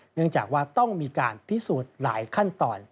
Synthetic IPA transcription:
nɯ˥˩əŋt͡ɕaː˨˩k̚waː˥˩t̪ɔ˥˩ŋmiː˧ka̰ː˧npʰi˦˥suː˨˩t̪̚la̰ː˩˦jkʰa˥˩nt̪ɔː˧n

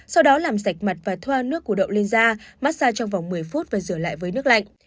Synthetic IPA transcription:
sa˧wɗɔ˨˦laː˨˩msa˨˩jk̟̚ma˨˩t̚vaː˨˩t̪ʰwaː˧nɨ˦˥əkːu˧˩ɗə̰˧˨wle˧nzaː˧maː˦˥t̚saː˧t͡ɕɔ˧wŋ͡mva˨˩wŋ͡mmɨ˨˩əjfu˦˥t̚vaː˨˩zɨ˧˩əla̰ː˧˨jvəː˨˦jnɨ˦˥ək̚la̰˧˨jŋ

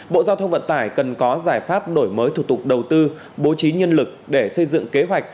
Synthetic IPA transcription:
ɓo̰˧˨zaː˧wt̪ʰə˧wŋ͡mvə̰˧˨nt̪aː˧˩jkə˨˩nkɔ˨˦zaː˧˩jfaː˦˥p̚ɗo˧˩jməː˨˦jt̪ʰu˧˩t̪ʊ˨˩k͡p̚ɗə˨˩wt̪ɨ˧ | ɓo˨˦t͡ɕi˨˦ɲə˧nlɨ˨˩k̚ɗe˧˩sə˧jzɨ̰˧˨ŋke˨˦ɦwa˨˩jk̟̚

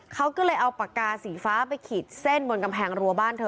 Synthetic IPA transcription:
kʰa˦˥wkɯ˥˩lɤː˧jʔa˧wpa˨˩kaː˧siː˩˦faː˦˥pa˧jkʰi˨˩t̪̚se˥˩nbo˧nka˧mpʰɛː˧ŋɾu˧baː˥˩nt̪ʰɤː˧

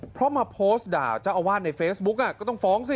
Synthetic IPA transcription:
pʰɾɔ˦˥maː˧pʰoː˦˥sda̰ː˨˧˩t͡ɕa˧˩ʔa˧waː˥˩t̪̚na˧jfeː˦˥sbu˦˥k̚ʔa˧˩kɔː˥˩t̪ɔ˥˩ŋfɔː˦˥ŋsi˧˩

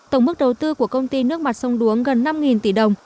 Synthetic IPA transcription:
t̪ə˧˩wŋ͡mmɨ˦˥k̚ɗə˨˩wt̪ɨ˧ku˧˩əkə˧wŋ͡mt̪i˧nɨ˦˥ək̚ma˨˩t̚sə˧wŋ͡mɗu˨˦əŋɣə˨˩nːa˧mŋi˨˩nt̪ḭ˧˩ɗə˨˩wŋ͡m

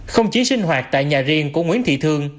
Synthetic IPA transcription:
xə˧wŋ͡mt͡ɕi˨˦sï˧ŋ̟ɦwaː˨˩t̚t̪a̰ː˧˨jɲaː˨˩zi˧˩əŋku˧˩əŋwi˧˥ənt̪ʰḭ˧˨t̪ʰɨ˧əŋ

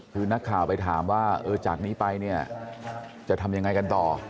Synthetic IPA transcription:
ɯː˧na˦˥kʰːaː˨˩wpa˧jt̪ʰaː˩˦mwaː˥˩ʔɤː˧t͡ɕaː˨˩k̚niː˦˥pa˧jni˥˩ɐ | t͡ɕa˨˩t̪ʰa˧mja˧ŋːa˧jka˧nt̪ɔː˨˩

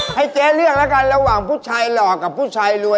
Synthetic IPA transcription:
ha˥˩jt͡ɕeː˦˥lɯ˥˩ək̚lɛː˦˥˩ka˧nɾa˧waː˨˩ŋpʰuː˥˩t͡ɕʰaː˧jlɔː˨˩kːa˨˩p̚ʰːuː˥˩t͡ɕʰaː˧jlu˧

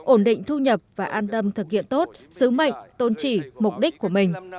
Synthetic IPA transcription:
ʔo˧˩nɗḭ̈˧˨ŋ̟t̪ʰu˧ɲə˨˩p̚vaː˨˩ʔaː˧nt̪ə˧mt̪ʰɨ˨˩k̚hḭ˧˨ənt̪o˦˥t̚sɨ˨˦mə̰˧˨jŋ̟t̪o˧˩nt͡ɕi˧˩mʊ˨˩k͡p̚ɗi˦˥k̟̚ku˧˩əmï˨˩ŋ̟

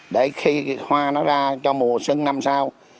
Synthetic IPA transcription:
ɗe˧˩xi˧hwaː˧nɔ˨˦zaː˧t͡ɕɔ˧mu˨˩əsɨ˧ŋna˧msaː˧w

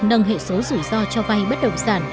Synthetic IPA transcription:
nə˨˧˩ŋ͡mɦḛ˧˨so˨˦zɨ˧˩zɔ˧t͡ɕɔ˧va˧jɓə˦˥t̚ɗə̰˧˨wŋ͡msaː˧˩n

